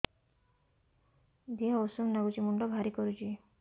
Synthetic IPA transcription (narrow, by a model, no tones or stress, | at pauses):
d̪iɦɔosumnaɡut͡ʃimuɳɖɔbʱaɾikɔɾut͡ʃʰi